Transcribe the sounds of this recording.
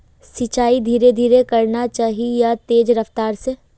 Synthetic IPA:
sit͡ʃaːid̪ʱiːɾed̪ʱiːɾekɐɾnat͡ʃaːɦijat̪eːd͡ʒɾɐft̪aːɾse

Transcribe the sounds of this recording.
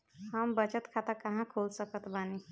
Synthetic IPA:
həmbət͡ʃət̪kʰat̪əkəɦãkʰolsəkət̪bani

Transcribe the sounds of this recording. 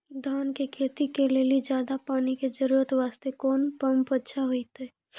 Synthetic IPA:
d̪ʱaːnkekʰeːt̪ikeleːlid͡ʒjaːd̪apaːniked͡ʒəɾuːɾət̪ʋaːst̪ekoːnpəmpətːʃʰaɦoit̪eː

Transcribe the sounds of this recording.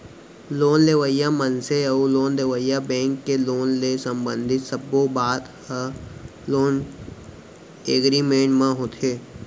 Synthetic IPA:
loːnleʋəjamənseɐuloːnleʋəjabɛ̃ːŋkːeloːnlesə̃mbə̃nd̪ʱɪt̪səbobaːt̪hə | loːn | eːɡɾimẽːʈmãɦoːt̪ʰeː

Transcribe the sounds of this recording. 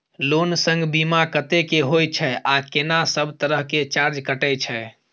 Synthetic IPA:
lonsə̃ŋɡbimakət̪ekeɦojt͡ʃʰɛʔakenasəbʱt̪əɾəɦket͡ʃaɾd͡ʒkəʈɛt͡ʃʰɛ

